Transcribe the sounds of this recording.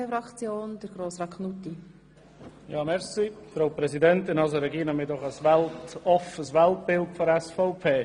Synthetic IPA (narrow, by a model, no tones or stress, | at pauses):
efɾɑkt͡sjoːnd̥əɾɡ̥ɾoːsɾɑkχnuti | jɑːmɛɾsifɾaʊpɾɛzidɛntɪnɑlsəɾɛɡiːnɛmɪːdɔχəsvɛltɔfəsvɛlt̚b̥ɪltfɔɾɛsfɔʊpʰeː